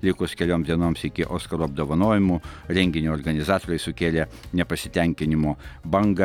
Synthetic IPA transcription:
lʲɪkʊskʲɛlʲoːmzd̪ʲiɛnoːmsɪkʲɪʔoːskɐɾuɐb̚d̪oːʋɐnoːʋʲɪmʊɾʲɛŋʲɡʲɪnʲuɔɾɡɐnʲɪzɑːt̪oːɾɐɪsʊkʲeːlʲɛ | nʲɛpɐsʲɪt̪ʲɛŋʲkʲɪnʲɪmoːbɐŋɡɐ

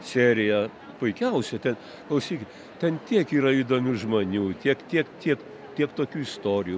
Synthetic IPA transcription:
sʲeːɾʲɪjɛ | pʊɪkʲɛʊsʲɛt̪ʲɛn | klˠɐʊsʲiːkʲɪt̪ | t̪ʲɛnt̪ʲiɛkiːɾɐid̪oːmʲʊʒmonʲuːt̪ʲiɛkt̪ʲiɛkt̪ʲiɛk | t̪ʲiɛkt̪oːkʲuːɪst̪oːɾʲɪjuː

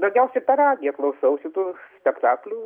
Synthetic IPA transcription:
d̪ɐʊɡʲɛʊsʲɛɪt̪ɐɾɑːd̪ʲɪjɛklˠɐʊsɐʊʃʲɪt̪uːsʲpʲɛkt̪ɑːklʲuː

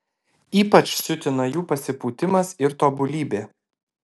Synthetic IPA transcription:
iːpɐt͡ʃʲsʊt̪ʲɪnɐjuːpɐsʲɪpuːt̪ʲɪmɐsɪɾt̪oːbʊlʲiːbʲeː

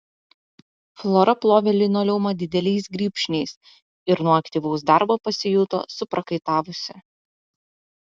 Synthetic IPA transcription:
flˠoːɾɐplˠoːʋʲɛlʲɪnoːlʲɛʊmɐd̪ʲɪd̪ʲɛlʲɛɪsɡɾʲiːpʲʃʲnʲɛɪs | ɪɾnuɔɐkt̪ʲiːˑʋɐʊsd̪ɑˑɾboːpɐsʲɪjʊt̪o̰ːsʊpɾɐkɐɪt̪ɑːʋʊsʲɪ

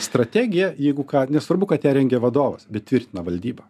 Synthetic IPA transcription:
st̪ɾɐt̪ʲæːɡʲɪjɛjɛɪɡʊkɑːnʲɛsʋɐɾbʊkɐt̪jʲæːɾʲɛŋʲɡʲɛʋɐd̪oːʋɐ̰sbʲɛt̪̚tʲʋʲɪɾʲt̪ʲɪnɐʋɐlʲd̪ʲiːbɐ

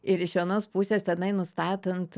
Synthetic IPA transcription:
ɪɾɪʃʋʲiɛnoːspuːsʲeːst̪ʲɛnɐɪnʊst̪ɑːt̪ɐnt̪

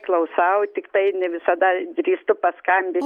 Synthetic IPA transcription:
klˠɐʊsɐʊt̪ʲɪkt̪ɐɪnʲɛʋʲɪsɐd̪ɐdʲɾʲiːst̪ʊpɐskɐmʲbʲɪ

